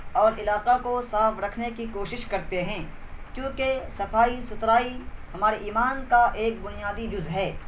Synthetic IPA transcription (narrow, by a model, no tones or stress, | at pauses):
ɔːɾʔɪlaːqakosaːfɾɐkʰnekikoːʃɪʃkɐɾt̪eɦɛ̃ː | kjõːkesɐfaːisʊt̪ɾaːiɦɐmaːɾeʔiːmaːnkaʔeːk̚bʊnijaːd̪id͡ʒʊzɦɛː